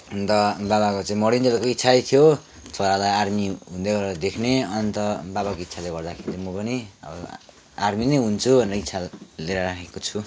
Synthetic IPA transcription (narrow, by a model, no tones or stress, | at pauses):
ʌnt̪ʌbaβakot͡saĩmʌɽind̪elkoit̪ːsʰajt̪ʰijo | t̪ʰoɾalajarmiɦũnd̪eɡʌɾd̪ekʰneʌnt̪ʌbaβakoit̪ːsʰaleɡʌrd̪akʰeɾit͡samʌpʌniʌ̰bʌ | arminʌjɦunt͡sʰubʱʌneɾʌit̪sʰaleɾaɾakʰekot͡sʰu